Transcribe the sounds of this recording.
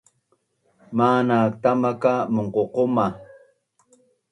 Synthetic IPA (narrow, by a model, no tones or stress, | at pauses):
maːnak̚t̪amakamoɴqoqoma